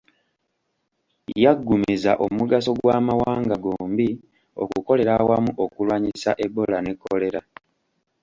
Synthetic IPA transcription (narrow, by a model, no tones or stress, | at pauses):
jaɡːumizaʔo̞muɡaso̞ɡwaːmawaːŋɡaɡoːmbi | o̞̰kuko̞le̞ɾawamuʔo̞kulwaːɲisaʔe̞bːo̞lane̞kːole̞ɾa